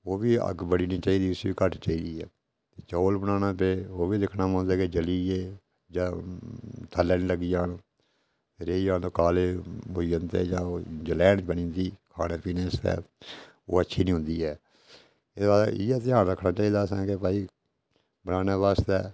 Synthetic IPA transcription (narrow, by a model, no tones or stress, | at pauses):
oːbiːə̰ɡbəɽiːnĩːt͡ʃaːiːd̪iːʊsiːkəʈt͡ʃaːiːd̪iːɛː | t̪et͡ʃoːlbənaːnãːpeːoːbiːd̪ɪkʰnaːmɔ̃ːnd̪aːked͡ʒəliːeː | d͡ʒaː | t̪ʰəlːɛːnləɡiːd͡ʒaːn | eɾeːid͡ʒaːnt̪oːkaːleːbojənt̪ḛːd͡ʒãːd͡ʒəlɛːnbəñĩːnd̪iːkʰa̰ːɽeːpiːneːst̪ɛ̰ː | o̰ːətːʃʰiːnĩːɦʊ̃nd̪iːɦɛː | ɪbaːdijɛːt̪ɪjaːnɾəkʰnaːt͡ʃaːiːd̪aːsɛ̃ːkepaːiː | bənaːneːbaːst̪ɛː